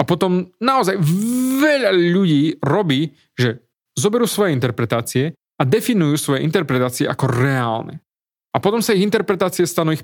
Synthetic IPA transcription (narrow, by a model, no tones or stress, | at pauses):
apɔt̪ɔmnaɔzajvɛʎaʎuɟiːɾɔbiː | ʒɛ | zɔbɛɾuːsʋɔjɛint̪ɛɾpɾɛt̪aːt͡siɛ | ad̪ɛfinujuːsʋɔjɛʔint̪ɛɾpɾɛt̪aːt͡siɛ̰ʔakɔɾɛaːlnɛ̰ | apɔt̪ɔmsaiɣint̪ɛɾpɾɛt̪aːt͡siɛst̪anuːix